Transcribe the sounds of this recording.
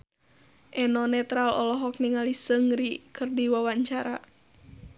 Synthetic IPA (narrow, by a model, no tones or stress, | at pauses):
ʔɛnɔnɛt̪ɾalɔlɔɦɔk̚niŋalisəŋɾikɨrdiwawaɲt͡ʃaɾa